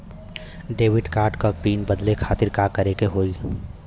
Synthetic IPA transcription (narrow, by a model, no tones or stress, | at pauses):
ɖeːʋɪʈkaːɾʈkapiːnbɐd̪lekʰaːt̪ɪɾkaːkɐɾekeɦoːi